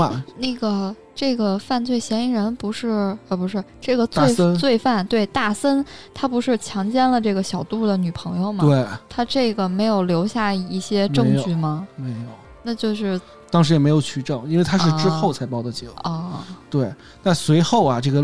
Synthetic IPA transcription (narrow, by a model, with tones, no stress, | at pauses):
na˥˩ɡə˩ | ʈ͡ʂɤ˥˩ɡə˩fa˥˧nt͡swe˥˩ɪɕjɛ˧˥ni˧˥ɻə˧˥npu˧˥ʂɻ̩˥˩ɛ˧˩pu˧˥ʂɻ̩˥˧ʈ͡ʂɤ˥˩ɡə˩t͡swe˥˧˥t͡swe˥˧ɪfa˥˩nt̪we˥˩ɪt̪a˥˩sə˥nt̪ʰa˥pu˧˥ʂɻ̩˥˩˧t͡ɕʰjɑ˧˥ŋt͡ɕjɛ˥nlə˨˧ʈ͡ʂɤ˥˩ɡə˩ɕjɑ˨˩ʊt̪u˥˩d̪ə˩ny˨˩pʰɤ˧˥ŋjo˥˧ʊmɐ˧e˥˩ɪt̪ʰa˥ʈ͡ʂɤ˥˩ɡə˩me˧˥ɪjo˨˩ʊljo˧˥ʊɕja˥˩i˥˩ɕjɛ˥mʈ͡ʂɤ˥˧ŋt͡ɕy˥˩mɐ˩me˧˥ɪjo˨˩˦na˥˧t͡ɕjo˥˧ʊʂɻ̩˥˩ | t̪ɑ˥ŋʂ̬ɻ̩˥jɛ˨˩me˧˥ɪjo˨˩ʊt͡ɕʰy˥˩ʈ͡ʂɤ˥˩ŋi˥nwe˥˩ɪt̪ʰa˥ʂɻ̩˥ʈ͡ʂɻɻ̩˥xo˥˩ʊt͡sʰa˧˥ɪpɑ˥ʊd̪ə˧t͡ɕɛ˧˥˩ɔ˥˩t̪we˥˩ɪ | na˥˩swe˧˥ɪxo˥˩ʊɐ˩ʈ͡ʂɤ˥˩ɡə˩